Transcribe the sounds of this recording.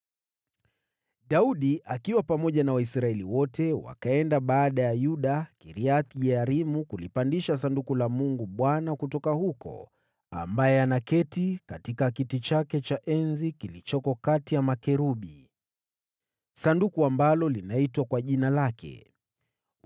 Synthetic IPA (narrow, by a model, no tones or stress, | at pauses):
ɗauɗiʔakiwapamɔʄanawaisɾaɛliwɔtɛwa̰kaɛndaɓaːɗajajuɗakiɾiaθjɛaɾimukulipandiʃas̬andukulamuŋɡuɓwanakutɔkahukɔ̰ | a̰mbajɛanakɛtikatikakitit͡ʃakɛt͡ʃaʔɛnzikilit͡ʃɔkɔkatijamakɛɾuɓi | sandukuambalɔlinaitwakwaʄinalakʰɛ̰